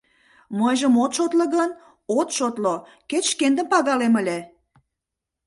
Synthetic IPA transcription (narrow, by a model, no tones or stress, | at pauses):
mɤjʒəmot̪ʃot̪lə̆ɣən | ot̪ʃot̪lo | ket̪ʃkend̪əmpɑɣɑleməlʲe